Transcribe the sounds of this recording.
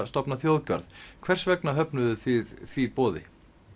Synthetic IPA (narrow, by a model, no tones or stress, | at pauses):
st̪ɔpnaθjowðcœ̰ɾðkʰvɛr̥svɛknaɦœpnʏðʏθɪðθvipɔːðɪ̰